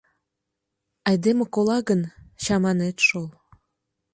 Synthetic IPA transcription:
ɑjd̪emekolɑɣənɕɑmɑnet̪ʃolˠ

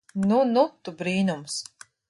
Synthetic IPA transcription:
nunut̪ubɾiːnums

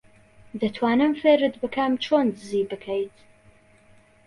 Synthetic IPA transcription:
d̪ɐt̪ʰwaːnɨmfeɾɨd̪bɨkʰɐmt͡ʃʰoːnd̪ɨziːbɨkʰɐjt̪ʰ

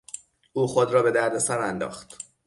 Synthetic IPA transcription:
ʔuːxod̪ɾɒːbe̞d̪æɾd̪esæɾænd̪ɒ̰ːxt̪

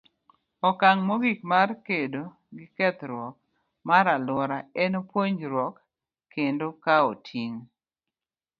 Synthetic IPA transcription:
ɔkaŋmoɡikmarkedo | ɡɪkɛt̪ɾwɔk̚ | maɾalwɔɾaɛnopwoɲd͡ʒɾwɔkːʰ | endokaotʰiŋ

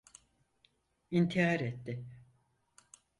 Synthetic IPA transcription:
int̪ʰijaːɾet̪ːɪ

